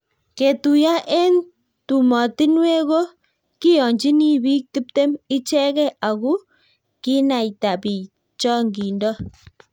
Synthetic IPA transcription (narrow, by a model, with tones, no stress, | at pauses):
ke˨tu˨ja˦ʔe˦n | tu˨mɔ˨ti˦nwe˦ɣo˦ | ki˦jɔ˨ɲd͡ʒi˦ni˦bi˦k̚ti˦pte˦mi˦t͡ʃɛ˦ɣɛ˦ʔa˨ɣu˦ | ki˦na˨jta˨pi˨ | t͡ʃɔ˦ŋɡi˨ndɔ˦